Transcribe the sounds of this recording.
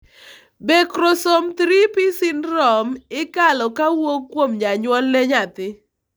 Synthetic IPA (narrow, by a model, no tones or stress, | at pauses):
bekɾosomt̪ɾipɪsɪnɾɔmɪkalɔkawokːwomɲaɲwɔlːɛɲat̪ɪ